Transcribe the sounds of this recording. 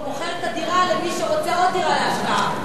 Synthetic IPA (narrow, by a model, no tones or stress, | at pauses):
oχeʁet̪ad̪iʁalemiʃeʁo̞t͡seot̪ialaːʃbaa